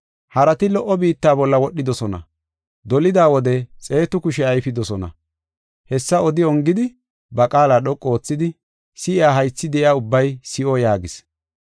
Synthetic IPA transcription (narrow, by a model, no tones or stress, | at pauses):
hɐɾɐt̪ɪlɔʔɔbiːt̪ːaːbɔlːɐwɔɗːɪd̪ɔsɔnɐ̰ | d̪ɔlɪd̪aːwɔd̪ɛt͡sʼe̞ːt̪ʊkʊʃɛɐjfɪd̪ɔsɔnɐ̰ | hɛsːɐɔd̪ɪɔŋɡɪd̪ɪ | bɐkʼaːlaːɗɔkʼːo̞ːt͡sːɪd̪ɪ | sɪɪaːɦɐjt͡sːɪd̪ɛʔɪaːʊbːɐjsɪʔojaːɡɪs